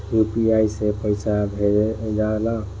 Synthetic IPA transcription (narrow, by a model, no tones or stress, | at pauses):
jupiajsepəɪsʰabʱeɾed͡ʒala